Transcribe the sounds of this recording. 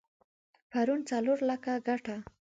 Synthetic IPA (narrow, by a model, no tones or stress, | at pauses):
paɾunt͡saloɾlakaɡaʈa